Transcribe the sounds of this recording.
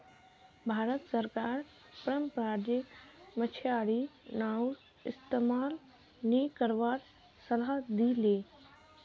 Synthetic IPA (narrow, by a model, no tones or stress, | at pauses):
bʱaːɾət̪səɾkaːɾ | pɾəmpɾaːd͡ʒɪkmət͡ʃʰjaːɽinaːu | ɪst̪emaːl | nikəɾʋaːɾ | səlad̪ileː